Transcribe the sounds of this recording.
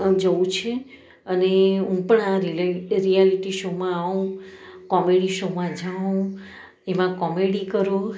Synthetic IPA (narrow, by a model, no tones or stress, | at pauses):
d͡ʒəũt͡ʃʰe | əneɦũpəɳaɾɾijaliʈiʃomãːũkɔmeɽiʃomãd͡ʒʱaũ | emãkɔmeɽikəɾo